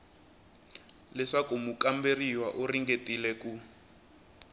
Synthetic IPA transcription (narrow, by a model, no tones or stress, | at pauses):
lɛʂakumukamberiwaʔuriŋɡetilɛku